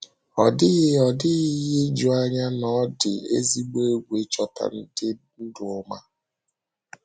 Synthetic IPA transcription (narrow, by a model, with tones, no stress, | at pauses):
ɔ˨dɪ˦ɣɪ˦ɔ˨dɪ˦ɣɪ˦ɣɪ˦d͡ʒu˨a˦ɲa˦nɔ˦dɪ˨ḛ˦zi˦ɡ͡bo˦e˦ɡʷe˨˦t͡ʃɔ˨ta̰˨n̩˦dɪ˦ | u˦du˨ʊ˦ma˦